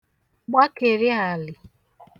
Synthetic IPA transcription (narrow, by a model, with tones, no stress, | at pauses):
ɡ͡ba˦ke˨ɾɪ˦a˨lɪ˨